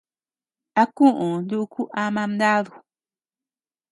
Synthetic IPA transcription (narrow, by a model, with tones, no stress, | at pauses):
a˨kũ˦ʔu˨˦du˦ʔku˦ʔa˧ma˧mda˦ðu˨